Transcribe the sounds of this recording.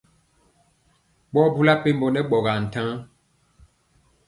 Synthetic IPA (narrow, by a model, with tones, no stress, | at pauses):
ɓɔ˦bu˦la˦pe˦m˦bo˨nɛ˦ɓɔ˨ɣa˨n̩˨tã˦